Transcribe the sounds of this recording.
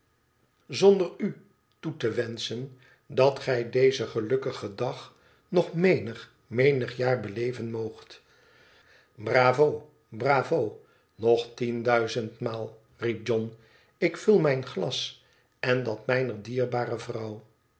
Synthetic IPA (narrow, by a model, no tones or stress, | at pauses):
zondəry | tutəʋɛnsən | dɑtχɛjdejzəχəlɵkəχədɑχ | nɔχmejnəχ | mejnəχjaːɹbəlejvənmowχt | braːvow | braːvow | nɔχtindœɥzəntmaːlˠ | rip̚d͡ʒɔn | ɪkfylˠmɛjnχlɑs | ɛndɑtmɛjnərdiːɹbaːrəvrɑw